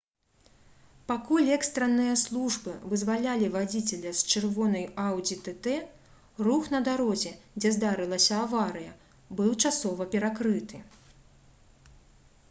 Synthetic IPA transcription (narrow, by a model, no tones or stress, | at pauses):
pakulʲɛkst̪ɾɐnːɨjɐslˠuʐbɨvɨzvalʲalʲivad͡zʲit͡sʲɛlʲɐst͡ʂɨrvɔnɐjawd͡zʲit̪ɛt̪ɛ | ruxnɐd̪aɾɔzʲɛd͡zʲɛzd̪aɾɨlˠɐsʲɐavaɾɨjɐ | bɨwt͡ʂasɔvɐpʲɛɾakɾɨt̪ɨ